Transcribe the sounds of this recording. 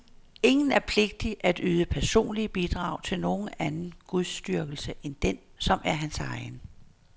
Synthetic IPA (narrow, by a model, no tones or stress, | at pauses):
e̝ŋn̩æɐpʰle̝ɡ̥̚d̥iʔæd̥yːðˠəpʰæɐso̝̰ːnliəb̥id̥ʁɑ̈ʊt͡sʰe̝lno̝ːn̩ænn̩ɡ̥uðˠsd̥yɐɡ̥l̩səʔend̥ensɒ̽mæɐɦænsɑ̈ɪn